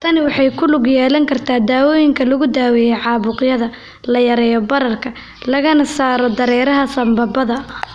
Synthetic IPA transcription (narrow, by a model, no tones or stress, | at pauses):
t̪ʰɐnɪwɑħɑjkʰʊlʊɡjɛːlɐŋkʰɐrt̪ʰaːd̪aːwɔːjɪŋkʰɐlɐɣʊd̪aːwɛjɛʕɑːβʊqjɐðɐ | lɐjɐɾɛːjɔbɐɾɐrkʰɐ | lɐɣɐnɐsaːɾɔd̪ɐɾɛːɾɐɦɐsɐmbɐbɐðɐ